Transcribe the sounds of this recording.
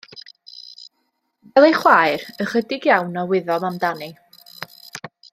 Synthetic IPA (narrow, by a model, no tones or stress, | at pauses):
vɛlˠejχwaːjrəχədɪɡjawnɔwɪðɔmamdani